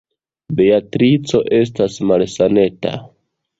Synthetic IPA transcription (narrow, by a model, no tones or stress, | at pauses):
be̞atɾit͡so̞ʔe̞s̬tasmalsane̞ta̰